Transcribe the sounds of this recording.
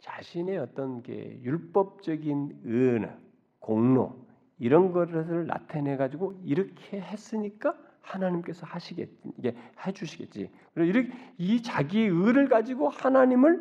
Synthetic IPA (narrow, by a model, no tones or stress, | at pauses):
t͡ɕaɕʰine̞ʌt͈ʌnkḛjuɭp͈ʌp̚t͡ɕ͈ʌɡinɯnɯ̰ | koŋno̰ | iɾʌnɡʌɾsʰɯɭːa̰tʰene̞ɡad͡ʑiɡoiɾʌkʰe̞ɦe̞s͈ɯɲik͈a | hanaɲimk͈e̞sʰʌhaɕʰiɡḛt͈̚iɡe̞hed͡ʑuɕʰiɡe̞̰t̚t͡ɕ͈ḭ | kɯɾiɾʌkit͡ɕaɡiɯɾɯɭɡad͡ʑiɡohanaɲimɯɭ